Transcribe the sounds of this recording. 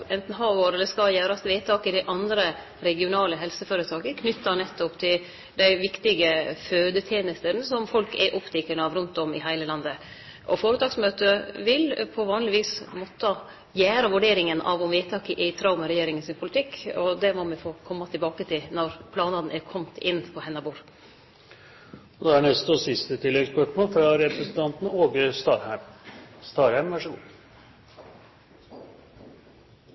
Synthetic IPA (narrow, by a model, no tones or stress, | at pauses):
ɛnt̪n̩ɦɑʋoːɾɛlːəskɑjæːɾɑst̪ʋeːt̪ʰɑːkɪd̪ɪʔɑnd̪ɾə | ɾɛɡɪʊnɑːləɦɛlsəføːɾət̪ʰɑːkəkʰnʏt̪ːɑnɛt̪ːɔpt̪ʰɪl | d̪æɪʋɪkt̪ɪɡəføːd̪ət̪ʰjeːnəst̪ənsɔmfɔlkɛʔɔpt̪ʰɛkːəɳəɑʋɾʉnt̪ɔmɪ̰hæɪləlɑnd̪ə | ʔɔfoːɾət̪ʰɑːksmøːt̪əʋɪlpʰɔʋɑːnlɪʋiːsmɔt̪ːɑ | jæːɾɑʋʉɖeːɾɪŋənɑ̰ʋɔmʋit̪ʰɑːkəʔɪt̪ʰɾɑʊmɑɾɛjeːɾɪŋənsɪnpʰʊlɪt̪ʰɪkːɔd̪ɛmɔmɪfoːkʰɔmːɑt̪ʰɪlbɑːkət̪ʰɪlnɔɾpʰlɑːnɑd̪n̩ʔæɾkʰɔmt̪ʰɪnːpʰɔhɛnːɑbuːɾ | ɔd̪ɛæɳɛst̪ɔsɪst̪ət̪ʰɪlːɛɡspʰœʈmoːfɾɑɾɛpɾɛsn̩t̪ʰɑnt̪n̩oːɡəst̪ɑɾhmst̪ɑːɾhæɪmʋæʂəɡṵː